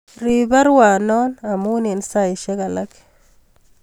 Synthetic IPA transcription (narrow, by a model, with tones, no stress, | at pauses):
ɾiba˦ɾwa˨nɔ˦na˨mu˦ni˨nsa˦i˨ʃɛ˦ɡa˨la˦k